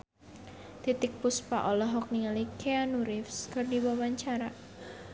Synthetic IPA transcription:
t̪it̪ɪk̚puspa̰ʔɔlɔɦɔk̚niŋalikʰeanuɾɪfskɨrdiwawaɲt͡ʃaɾa

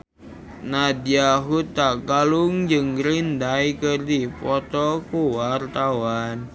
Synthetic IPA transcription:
nadiaɦut̪akaluŋd͡ʒɨŋɾind̪ajkərdipɔt̪ɔkuwart̪awan

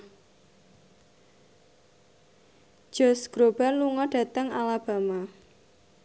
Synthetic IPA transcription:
d̥ʒ̥ɔ̤sɡ̥ɾob̥a̤nluŋɔɖ̥a̤t̪əŋalab̥a̤ma

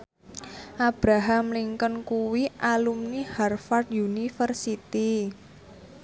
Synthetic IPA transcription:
ʔab̥ɾaɦamliŋkənkuwiʔalumniharfard̪junifərsit̪i

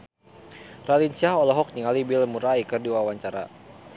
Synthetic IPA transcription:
ralinsiaɦɔlɔɦɔk̚niŋalibilmuɾaikərdiwawaɲt͡ʃaɾa̰

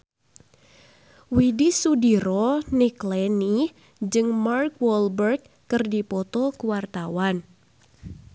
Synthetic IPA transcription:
widisudiɾɔniklɛni | d͡ʒɨŋmarkwɔlbərk̚ːɨrdipɔt̪ɔkuwart̪awan

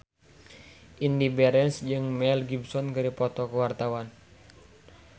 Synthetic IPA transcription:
ʔindibɛɾɛnsd͡ʒɨŋmɛlɡibsɔnkɨɾipɔt̪ɔkəwart̪awan

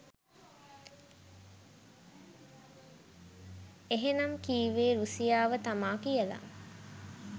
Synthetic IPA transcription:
eɦenɐmkiːʋeːɾusijaːʋət̪amaːkijəla̰

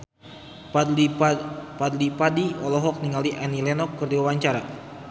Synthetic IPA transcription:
pad̪lipadiɔlɔɦɔk̚niŋaliʔanilɛnɔkːərdiwawaɲt͡ʃaɾa

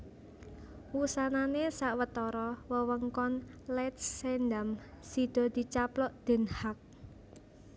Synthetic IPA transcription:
wusananesaʔwət̪ɔɾɔwəwəŋkɔnlɛt̪̚sɛnd̪am | sid̪̥ɔ̤d̪̥i̤t͡ʃaplɔʔd̪̥ɛ̤nhak̚

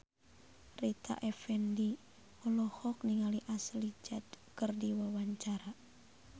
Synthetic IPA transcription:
rit̪a̰ʔɛfɛndi | ɔlɔhɔk̚niŋaliʔaslid͡ʒad | kɨrdiwawaɲt͡ʃaɾa

